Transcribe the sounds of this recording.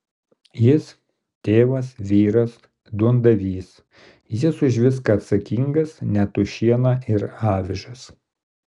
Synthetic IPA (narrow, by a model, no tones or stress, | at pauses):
jɪs | t̪ʲeːʋɐsʋʲiːɾɐs | d̪uɔnd̪ɐʋʲiːs | jɪsʊʒʲʋʲɪskɐːt̪sɐkʲiŋɡɐsnʲɛt̪ʊʃʲiɛnˠɐɪɾɑːʋʲɪʒɐs